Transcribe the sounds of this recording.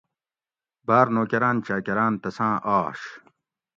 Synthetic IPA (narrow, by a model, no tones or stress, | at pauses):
baːɾnoːkɐɾaːnt͡ɕaːkɐɾãːnt̪ɐsãːʔaːʂ